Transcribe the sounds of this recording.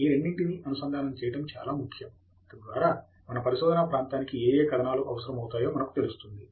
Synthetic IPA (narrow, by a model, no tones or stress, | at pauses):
iːɾeɳːiɳʈiniʔɐnusɐnd̪ʱaːnɐmt͡ʃɛːjɐʈɐmt͡ʃa̰ːlaːmukʰːjɐm | ɐt̪ɐnd̪ʋaːɾaː | mɐnɐpɐɾiʃɔːd̪ɐnapɾaːnt̪aːnikieːjeːkɐɾɐnaːluʔɐ̰ʋɐsɐɾɐmɐwt̪aːjo̞ːmɐnɐku̥t̪e̞lust̪und̪i